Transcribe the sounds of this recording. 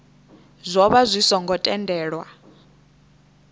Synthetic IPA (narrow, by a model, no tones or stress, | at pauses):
zʷɔβazʷisɔŋɡɔtʼɛndʱɛːɺwa